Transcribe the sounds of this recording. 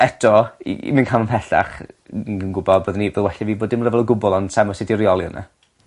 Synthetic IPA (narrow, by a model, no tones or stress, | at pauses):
ɛtʰɔḭmənkʰamənpʰɛɬa̰χnənɡʊbɔdboːðnibəðwɛɬaviːboːdɪmərəvɛlˠəɡʊbɔlˠɔnsɛmɔsɪdirjɔlˠjɔna̰